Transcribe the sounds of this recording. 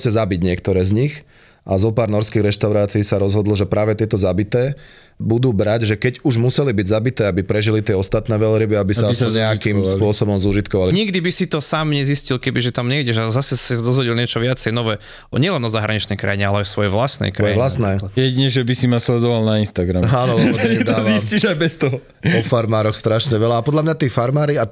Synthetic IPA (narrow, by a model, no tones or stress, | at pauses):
t͡sɛzabiɟɲɪɛkt̪ɔɾɛːzɲix | ʔazɔpaːɾnɔɾskiɣɾɛʃt̪aʊɾaːt͡siːisaɾɔzɦɔd̪l̩ʒɛpɾaːʋɛt̪ɪɛt̪ɔzabit̪ɛː | bud̪uːbɾaɟʒɛkɛɟuʒmusɛlibiɟzabit̪ɛːabipɾɛʒilit̪ɪɛɔst̪at̪nɛːʋɛlɾibiabisasɲɛakimspʊɔsɔbɔmzuʒit̪̚kɔʋaliɲiɡd̪ibisit̪ɔsaːmɲɛziscilkɛbiʒɛt̪amɲɛiɟɛʒazasɛsisad̪ɔzʋɔɟilɲɪɛt͡ʃɔʋɪat͡sɛjnɔʋɛː | ʔɔɲɛlɛnɔzaɦɾaɲit͡ʃnɛjkɾa̰jiɲɛalɛajsʋɔjɛʋlasnɛ̰jskɾaɔjɛʋlast̪nɛːjɛɟiɲɛʒɛbisimaslɛd̪ɔʋalnainst̪aɡɾa̰maːnɔtd̪aːʋzimsciʒajbɛst̪ɔɦɔ | pɔfaɾmaːɾɔxst̪ɾaʃɲɛʋɛlaapɔd̪ʎlamɲat̪iːfaɾmaːɾia